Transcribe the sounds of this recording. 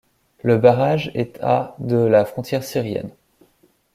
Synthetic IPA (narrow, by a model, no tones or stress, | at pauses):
ləbaʁaʒɛt̪ʰa̰d̪əlafχɔ̃t̪jɛʁsiʁjɛ̰n